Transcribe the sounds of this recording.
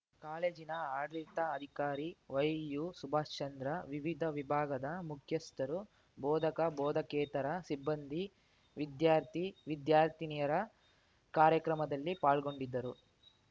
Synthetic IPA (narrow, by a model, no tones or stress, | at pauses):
kaːleːd͡ʒinɐaːɽlit̪ɐːd̪ʱikaːɾiʋɐjjusubʱaːst͡ʃɐnd̪ɾɐʋiʋid̪ʱɐʋibʱaːɡɐd̪ɐmukʰjɐst̪ɐɾu | bɔːd̪ʱɐkɐbɔːd̪ʱɐkɛːt̪ɐɾɐsibːɐnd̪ʱi | ʋid̪jaːɾt̪ʰiʋid̪jaːɾt̪ʰinijɐɾɐ | kaːɾjɐkɾɐmɐd̪ɐlːipaːɭɡo̞ɳɖid̪ːɐɾu